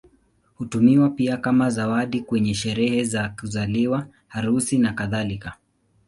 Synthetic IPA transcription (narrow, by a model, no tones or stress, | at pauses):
hutumiwapiakamazawaɗikwɛɲɛʃɛɾɛhɛzakuzaliwa | haɾusinakaðalika